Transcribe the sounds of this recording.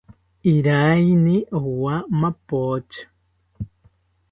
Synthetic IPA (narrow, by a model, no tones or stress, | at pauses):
iɾajniʔowamapot͡ʃḁ